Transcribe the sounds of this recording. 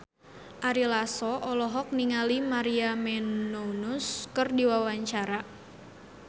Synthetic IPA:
ʔaɾilasɔʔɔlɔɦɔk̚niŋalimaɾiamɛnounʊskɨrdiwawaɲt͡ʃaɾa

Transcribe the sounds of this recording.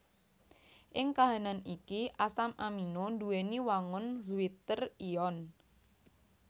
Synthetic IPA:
ʔɪŋkaɦananikiʔasamʔaminonduweniwaŋʊnzuit̪əriɔn

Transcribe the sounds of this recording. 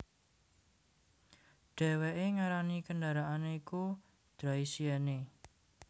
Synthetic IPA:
ɖ̥ɛ̤weʔeŋaɾanikəndaɾaʔaneiku | d̪̥ɾaisiane

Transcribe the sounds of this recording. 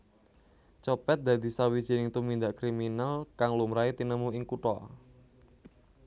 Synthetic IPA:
t͡ʃɔpɛt̪̚d̪ä̤d̪̥i̤sawid̥ʒ̥i̤nɪŋt̪umind̪aʔkɾiminalkaŋlumɾait̪inəmuɪŋkuʈɔ

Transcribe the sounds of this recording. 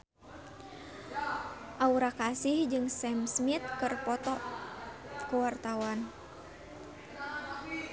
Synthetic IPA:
ʔauɾakasihd͡ʒɨŋsɛmsmit̪̚kɨrpɔt̪ɔ | kuwart̪awan

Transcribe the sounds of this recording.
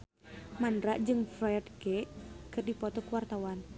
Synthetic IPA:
mandɾaʔd͡ʒɨŋfɾaadkɛʔkɨrdipɔt̪ɔkəwart̪awan

